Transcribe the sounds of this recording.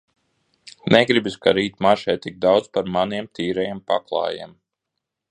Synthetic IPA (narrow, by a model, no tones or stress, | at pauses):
nɛɡɾibiskaɾiːt̪ʲmaʃɛjt̪iɡ̚d̪awd̪zpaɾmaniɛmt̪ʰiːɾɛjɛmpa̰klˠɑ̰ːjɛ̰ɛm